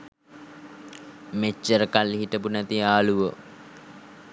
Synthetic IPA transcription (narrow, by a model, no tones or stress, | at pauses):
met͡ʃːəɾəkalːiɦiʈəpunæt̪iaːluʋə